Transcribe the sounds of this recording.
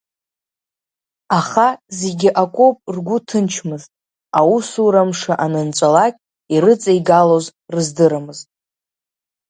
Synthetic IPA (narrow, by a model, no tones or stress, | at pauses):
aχaze̞ɡʲɪʔakʷʼo̞pʼrɡʷʊtʰɨnt͡ʃʰmɨztʼ | ausuɾamʂaʔanɨnt͡ʃʷʼalakʲʼ | iɾɨt͡sʼajɡalo̞zrɨzdɨɾamɨztʼ